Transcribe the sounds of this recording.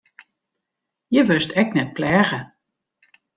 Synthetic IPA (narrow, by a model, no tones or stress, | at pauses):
jəʋøstɛk̚nɛt̚plɛːɣə